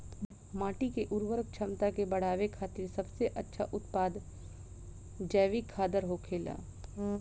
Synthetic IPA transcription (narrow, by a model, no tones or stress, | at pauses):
mãːʈikeʔʊɾwəɾək̚t͡ʃʰɐmt̪akebɐɽ̤aːʋekʰaːt̪iɾsɐbseʔɐtːʃʰa̰ʔʊt̪paːd̪ | d͡ʒɛːʋikʰːaːd̪əɾɦokʰeːla̰ː